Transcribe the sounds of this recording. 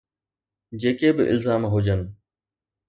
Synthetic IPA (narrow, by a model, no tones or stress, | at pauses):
d͡ʑeːkebɪʔɪ̰lzaːmɦʊd͡ʑənɪ̆